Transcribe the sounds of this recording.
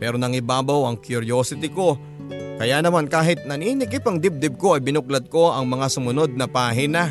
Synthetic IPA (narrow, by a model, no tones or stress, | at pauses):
pɛːɾo̞nɐŋɪbaːbɐwɐŋkjʊɾjoːsɪt̪ɪko̞ | kɐjanɐmankaːɦɪt̪̚nɐninɪkɪpɐŋd̪ɪb̚d̪ɪb̚ko̞ɐjbɪnʊklɐd̪̚ko̞ʔɐŋmɐŋasʊmʊno̞d̪̚nɐpaːɦɪnɐ